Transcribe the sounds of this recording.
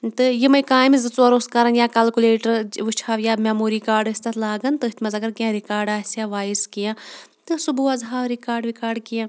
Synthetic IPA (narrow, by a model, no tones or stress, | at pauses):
t̪ɨjimɐjkaːjmizɨt͡suɐɾoːskɐɾɐnjaːkɐlkuleːʈɐɾʋɨt͡ʃʰaːʋjaːmʲamuːɾikaːɾɖɨsʲt̪ɐt̪ʰlaːɡɐnt̪ɨt̪ʰmɐzɐɡɐɾkijãːɾikaːɾɖaːsjaːʋaːjiskijãːt̪ɨsubuɐzɦaːʋɾikaːɾɖʋikaːɾɖkijãː